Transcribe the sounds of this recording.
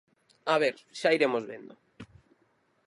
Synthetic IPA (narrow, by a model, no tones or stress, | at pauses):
aβeɾʃaiɾemozβḛnd̪o